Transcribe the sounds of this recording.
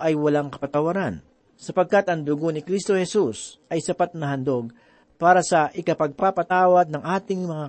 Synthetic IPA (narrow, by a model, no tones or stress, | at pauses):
ʔɐjwɐlaŋkɐ̥pɐt̪ɐwɐɾan | sɐpɐɡ̚kat̪ɐŋd̪ʊɡonɪkɾist̪o̞hɛsusʔɐjsɐpat̪̚nɐɦɐnd̪o̞ɡ̚ | paːɾɐsɐʔɪkɐpɐɡ̚papɐt̪aːwɐd̪̚nɐŋʔaːt̪ɪŋmɐŋa